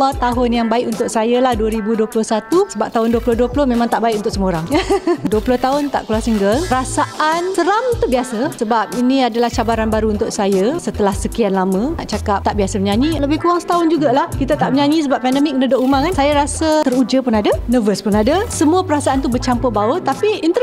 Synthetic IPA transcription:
at̪aɦʊnjaŋbaɪkunt̪ʊk̚sajalahduəɾibuduəpulʊhsat̪usəbap̚t̪aɦʊnduəplʊhduəpulʊhmẽmãŋt̪aʔbaɪkunt̪ʊkʔ̚səməoɾaŋduəpulʊht̪aɦʊnt̪a̰ʔkluarsiŋɡəlpəɾasaʔansəɾamt̪ubiasəsəbap̚iniadalaht͡ʃabaɾanbaɾuunt̪ʊksajəsət̪əlahsəkianlamə̃naʔt͡ʃakap̚t̪aʔbiasəməɲaɲiləbɪhkuaŋsə̥t̪aʊnd͡ʒuɡalahkit̪at̪aʔməɲaɲis̬əbap̚pɛndəmɪk̚ːənədoʔumaŋansajaɾasət̪əɾud͡ʒəpʊnadənəvəspʊnadəsəmuapəɾasaant̪ubət͡ʃampəbawət̪apiint̪ə

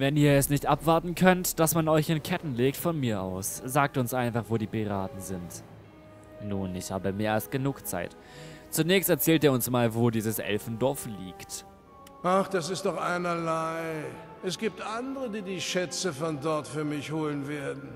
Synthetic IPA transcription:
vɛniːɐɛsnɪçtʔapv̥aɐtn̩kʰœntd̥asmanɔʏçɪnkʰɛtn̩leːk̚tfɔnmiːɐʔa̰ʊsz̥aːk̚tʊnsʔaɪnfaχvoːdiːpʰiʁaːtn̩zɪnt | nuːnɪçhaːbəmeːɐalst̚ɡ̥ənuːkt͡sa̰ɪt | t͡sunɛːçstɛɐt͡sɛːlteːɐʊnsmaːlvoːdiːzəsʔɛ̰lfn̩dɔɐfliːkt | ʔaχd̥asɪstd̥ɔχʔaɪnɐlaɪ | ʔɛsɡ̥iːp̚tʔandəʁədiːdiːʃɛt͡səfɔndɔɐtfyːɐmɪçhoːlənveɐdn̩

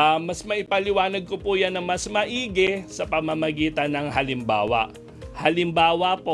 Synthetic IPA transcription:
amɐsmɐʔɪpɐlɪwaːnɐɡ̚kopujanːɐŋmɐsmɐʔiːɡɛsɐpɐmamɐɡiːt̪ɐnɐŋhɐlɪmba̰ːwɐ̰ʔ | hɐlɪmbaːwɐpo

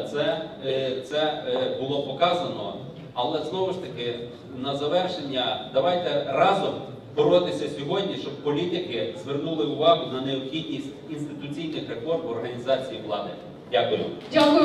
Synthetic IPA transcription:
t̪sɛt̪sɛbʊlˠɔpɔkɑzɐnɔ̰ | ɐlˠɛznɔʋʊʃt̪ɐkɪ | nɐzɐʋɛrʃenʲːɐd̪ɐʋɑjt̪ɛrɑzɔm | bɔɾɔt̪ɪsʲɐsʲɔɦɔdʲnʲiʃt͡ʃɔb̚pɔlʲit̪ɪkɪzʋernulˠɪʊʋɑɦʊnɐneɔpxʲid̪ʲnʲisʲtʲinst̪ɪt̪ʊt͡sʲijnɪxɾefɔrmɔrɦɐnʲizɑt͡sʲijiʋlˠɑd̪ɪ | dʲakʊjʊ̰dʲakʊ

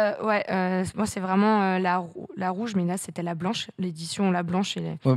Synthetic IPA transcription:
wɛʔømwasɛvʁɛmɑ̃ølaʁulaʁuʒmɛlaset̪ɛlablɑ̃ʃled̪isjɔ̃lablɑ̃ʃelḛ

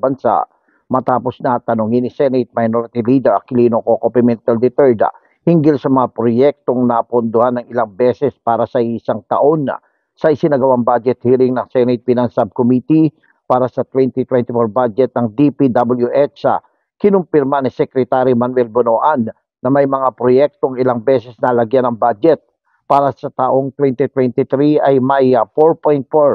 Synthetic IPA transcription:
bɐnsa̰ʔ | mɐt̪aːpo̞snɐt̪ɐnʊŋɪnːɪsɛnɪt̪̚mɐjnoɾɪt̪iliːd̪ɛɾɐ̰kɪliːnokokopɪmɛnt̪ɐld̪ɪt̪ɛɹd̪̰ | hɪŋɡɪlsɐmɐŋapɾojɛk̚t̪o̞ŋnɐpʊnd̪ohanːɐŋɪlaŋbɛsɛspaːɾɐsɐisaŋt̪ɐ̰ʔo̞n̰ | sɐʔɪsɪnɐɡɐwaŋbad͡ʒɛt̪̚hiːlɪŋnɐŋsɛnɪt̪̚pinɐŋsab̚komit̪i | paːɾɐsɐt̪wɛnt̪it̪wɛnt̪ɪfoɹbad͡ʒɛt̪̚nɐŋd̪ipid̪abɐljuʔɛt͡ʃɐ̰ | kɪnʊmpɪɾmanisɛkɾɛt̪aɾimanwɛlbonoːʔanː | ɐmɐjmɐŋapɾojɛk̚t̪oɐŋɪlaŋbɛsɛsnɐɐlɐɡjanɐŋbad͡ʒɛt̪̚ | paːɾɐsɐt̪aʔo̞ŋt̪wɛnt̪it̪wɛnt̪it̪ɾiɐjmɐjpoɹpojnt̪̚foɹ

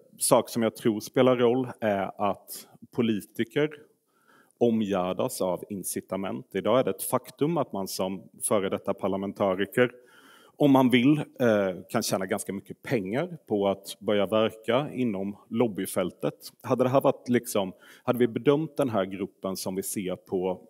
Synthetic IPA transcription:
sɑːksɔmjaːɡt̪ʰɾuːɾspeːlaɾːɔlːæɾat̪pʰʊliːt̪ɪkəɾ | ɔmjæːɖa̰savɪnsɪt̪amɛ̰nt̪ɪd̪ɑːæɖɛɛt̪fakt̪ɵmat̪mansɔmfœːɾəd̪ɛt̪ːapʰaɭamɛnt̪ʰɑːɾɪkəɾ | ɔmːanvɪl | kʰanɕɛːnaɡanskamʏkːəpʰɛŋːaɾpʰɔat̪bœɾjavæɾkaɪ̰nːɔmlɔbːɪfɛlt̪ət̪had̪ːəd̪ɛɦæːɾvaʈ̪lɪksɔmhad̪ːəvɪbɛd̪œmt̪̚d̪ɛnɦæːɾɡɾɵpːənsɔmvɪseːɾpʰɔ

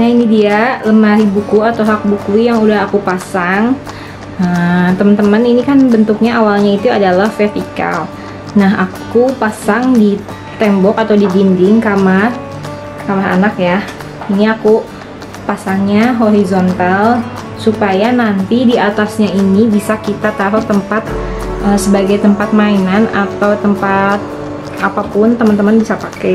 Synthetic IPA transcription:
nainidialəmaɾibukuat̪awɦak̚bukuijaŋudahakupasaŋ | ət̪əmənt̪əməninikanbənt̪uk̚ɲaʔawalɲait̪uadalahfɛrt̪ika̰l | naɦakupasaŋdi | t̪ɛmbɔkat̪awdibindɪŋkamah | kamaɦa̰nakja | iniaku | pasaŋɲaɦoɾizont̪al | supajanant̪idiat̪asɲainibisakit̪at̪aɾʊk̚t̪əmpat̪̚ʔəsəbaɡajt̪əmpat̪̚mainana̰t̪awt̪əmpat̪̚ | ʔapapʊnt̪əmənt̪əmənbisapakɛ

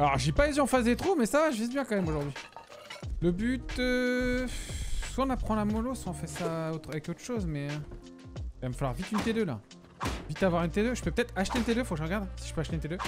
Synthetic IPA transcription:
alɔʁʒepaeziɑ̃fazd̪et̪χumɛsavaʒəvizbjɛ̃kɑ̃mɛmoʒuʁd̪ɥi | ləbyt̪ø | swaɔ̃napχɑ̃amɔlosɑ̃fɛʁsaot̪χavɛkot̪χʃozmɛ | vaməfalwa̰ʁvit̪ynt̪ed̪øla̰ | vit̪avwaʁynt̪ed̪øʒə̥pøpø̥t̪ɛt̪χaʃt̪elət̪ed̪øfokʒəʁəɡaʁd̪si̥ʒə̥pøaʃt̪ent̪ed̪ø

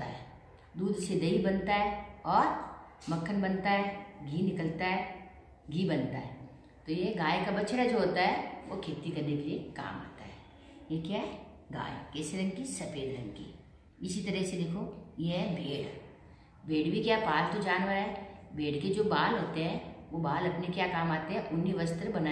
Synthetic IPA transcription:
ot̪a̰ɦɛː | d̪uːd̪sed̪ʱəibɐnt̪aɦɛːɔːɾmɐkʰːənbɐnt̪aɦɛːɡiːnɪkəlt̪aɦɛː | ɡiːbɐnt̪aɦɛː | t̪ojeɡaːjkabɐt͡ʃɾad͡ʒoːɦoːt̪aɦɛʋokʰeːt̪ikɐɾnekelieka̰ːmɦa̰ːt̪aɦɛː | jekjaːɦɛ | ɡa̰ːjekɛːseɾɐ̃ŋɡkisɐpeːɾɾɐ̃ŋɡkḭ | ɪsit̪ɐɾəsed̪eːkʰojeɦbʱeːɽ | bʱeːɽbʱikjaːpaːlt̪od͡ʒaːnʋəɾɦɛːbʱeːɽked͡ʒoːbaːlɦoːt̪eɦɛ̃ːʋobaːlɐpnekjaːkaːmaːt̪eɦɛ̃ʔʊnːiʋɐst̪əɾbɐnaː

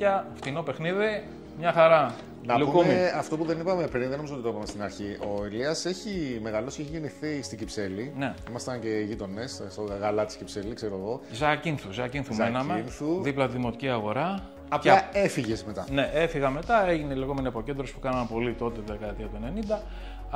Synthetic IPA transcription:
ʝɐft̪ino̞pe̞xniði | mɲɐxɐɾɐ | nɐpluukumiɐft̪o̞puðenipɐme̞pɾinðenoizot̪t̪oipɐmest̪inɐɾçiʔoiliɐse̞çime̞ɣɐlo̞sceeçiʝeniθist̪iɟipse̞line̞imɐst̪ɐnce̞ʝit̪o̞ne̞sst̪oɣɐlɐt̪i̥scipse̞likseɾoeɣo̞zɐcinθuzɐcinθumenɐmeinθuðiplɐt̪iðimo̞t̪iciɐɣo̞ɾɐː | plɐefiʝezme̞t̪ɐne̞ʔe̞fiɣɐme̞t̪ɐe̞ʝineileɣo̞me̞niɐpo̞cend̪ɾo̞spu̥kɐnɐmpo̞lit̪o̞t̪et̪ðekɐet̪iɐt̪uene̞nind̪ɐ

